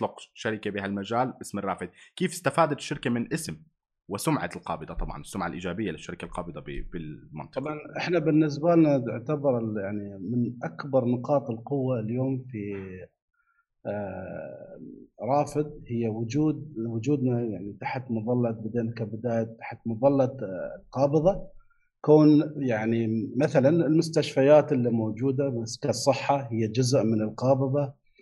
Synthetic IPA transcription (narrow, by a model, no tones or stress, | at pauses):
t̪ˤlʊqʃaɾɪkabiɦalmad͡ʒaːlʔɪsmɪrˤːɑːfɪd̪̚kiːfɪ̥st̪afaːd̪at̪ʃːɪɾkamɪnʔɪsm | wɪsʊmʕa̰t̪ɪlqɑ̰ːbɨd̪ˤɑt̪ˤɑbʕɑ̰nɪsːʊmʕalʔiːd͡ʒaːbɪjːalɪʃːaɾɪkalqɑːbɨd̪ˤɑb̰bɪlmʊ̰nt̪ˤɑbʕɑnʔɪħnabɪnːɪs̬balnat̪ɪʕt̪abɑɾˤjaʕnimɪnʔakbɑɾˤnɪqɑːt̪ˤɪlqʊwːaljoːmfi | ɾˤɑːfɪd̪̚hɪjːawʊd͡ʒuːd̪̚wʊd͡ʒuːd̪najaʕnit̪aħt̪mʊðˤɑlːɑt̪̚bɪd̪eːlkabɪd̪aːjat̪ːḁħt̪mʊðˤɑlːɑt̪lqɑːbɨðˤɑ | koːnjaʕnimaθalanɪlmʊst̪aʃfajaːt̪ɪlːimoːd͡ʒuːd̪amskasˤːɨħːahɪjːad͡ʒʊzʔmɪnɪlqɑːbɨðˤɑ